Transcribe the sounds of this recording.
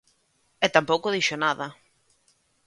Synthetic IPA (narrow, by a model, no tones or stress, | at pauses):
ɛt̪ampowkoðiʃonaðɐ